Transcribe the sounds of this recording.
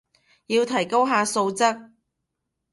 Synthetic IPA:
jiː˧wt̪ʰɐ˨˩jko˥wɦaː˧so˧wt͡sɐ˥k̚

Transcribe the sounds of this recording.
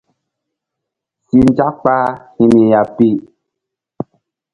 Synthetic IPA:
si˨n˦d͡ʒa˦kk͡pa˦hi˨mi˨ja˨pi˦˨

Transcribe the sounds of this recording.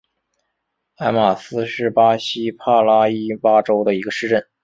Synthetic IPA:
a˥ɪma˨˩sɹ̩˥ʂɻ̩˥˩pa˥ɕi˥pʰa˥˩la˥i˥pa˥ʈ͡ʂo˥ʊd̪ə˨i˧˥ɡə˧ʂɻ̩˥˧ʈ͡ʂə˥˩n

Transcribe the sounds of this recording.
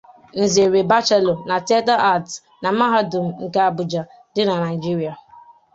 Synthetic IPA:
n̩˨ze˨ɾe˨ba˦t͡ʃe˦lo˨na˨ti˦a˦ta˦ʔa˦˨t | na˨ma˦ɦa˦dʊ˨m̩˨ŋ̩˨ka˦a˦˨bʊ˨d͡ʒa˨ | dɪ˦na˨na˨i˨d͡ʒi˦ɾi˨a˨

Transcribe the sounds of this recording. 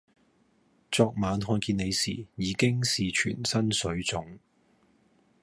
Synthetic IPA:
t͡sɔː˧k̚maː˨˧nɦɔː˧nkiː˧ne˨˧jsḭː˨˩jiː˨˧kɪ˥ŋsiː˨t͡ʃʰy̰ː˨˩nsɐ˥nsɵ˨˧˥ɥt͡sʊ˨˥ŋ

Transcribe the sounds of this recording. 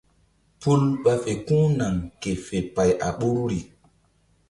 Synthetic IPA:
pu˦lɓa˦fe˨kũː˦na˨ŋke˨fe˨pa˨jʔa̰˨ɓu˦ɾɾi˨

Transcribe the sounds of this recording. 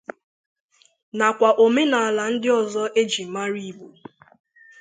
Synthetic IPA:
na˨kʷa˨ʔo˨me˦na˨a˨la˨n̩˦dɪ˦ɔ˨zɔ˦ʔe˦d͡ʒi˨m̩˨ma˦ɾi˦˨bu˨

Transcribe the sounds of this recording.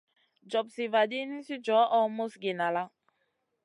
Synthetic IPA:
d͡ʒɔ˨p̚si˨va˨di˦nĩ˦si˦d͡ʒɔ˨˦ʔɔ˦mo˦sɡe˨na˨la˦

